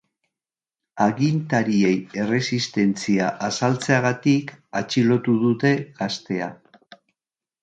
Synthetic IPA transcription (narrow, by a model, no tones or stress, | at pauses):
aɣint̪aɾie̞je̞re̞sist̪e̞nt͡siaʔasalt͡seaɣat̪ikat͡ʃilo̞t̪uðut̪e̞ɣast̪e̞a